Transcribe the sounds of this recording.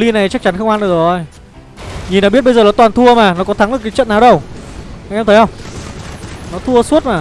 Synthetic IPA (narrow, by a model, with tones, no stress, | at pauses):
li˧na˨˩jt͡ɕa˦˥k̚t͡ɕa˨˦nxə˧wŋ͡mʔa˧nɗɨ̰˧˩ə˩o˧˩j | ɲi˨˩nːɔ˨˦ɓi˦˥t̚ɓə˧jzəː˨˩nɔ˨˦t̪waː˨˩nt̪ʰu˧əmaː˨˩nɔ˨˦kɔ˨˦t̪ʰa˨˦ŋlɨ˨˩ka˨˦t͡ɕə̰˧˨nːaː˨˩wɗə˧wʔa˧ŋʔɛ˧mʰə˨˦hə˧wŋ͡m | nɔ˨˦t̪ʰu˧ə˧su˦˥t̚maː˨˩